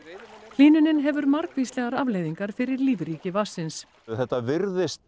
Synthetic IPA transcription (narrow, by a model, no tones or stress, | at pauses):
l̥iːnʏnɪnɦɛvʏɾmaɾkviːslɛːɣaɾavlejðiŋkaɾ̥fɪɾɪɾliːvɾiːcɪvasːɪns | θɛht̪ːavɪɾðɪst̪